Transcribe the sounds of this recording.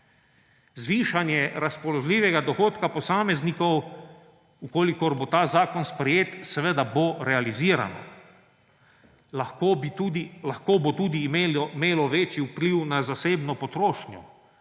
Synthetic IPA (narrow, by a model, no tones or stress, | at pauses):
zʋiːʃanjɛɾaspɔlɔʒliːʋɛɡad̪ɔxoːt̪kapɔsaːmɛznikɔw | ukoːlikɔɾbot̪aːzaːkɔnspɾɛjeːt̪sɛʋəd̪aboɾɛaliziːɾa̰nɔ̰ | kod̪laxkoːbot̪uːd̪iːmemeːlɔʋeːt͡ʃiupliwnazaseːbnɔpɔt̪ɾoːʃnjɔ